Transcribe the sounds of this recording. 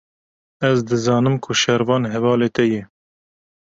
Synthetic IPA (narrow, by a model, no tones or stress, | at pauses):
ɛzd̪ɨzɑːnɨmkʰʊʃɛɾvɑːnɦɛvɑːleːt̪ɛjɛ